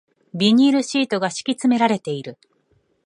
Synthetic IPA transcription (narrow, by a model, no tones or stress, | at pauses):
bʲiɲ̟iɾɯ̟ɕiːt̪o̞ɡaɕi̥kʲit͡sɨme̞ɾaɾe̞t̪e̞iɾɯ̟